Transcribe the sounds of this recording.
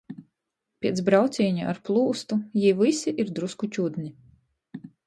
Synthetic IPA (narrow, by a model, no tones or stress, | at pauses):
pʲiɛt̪sbɾawt̪sʲiːɲuʔa̰ɾplˠuːst̪ujivisiʔiɾd̪ɾuskut͡ʃʲud̪nʲi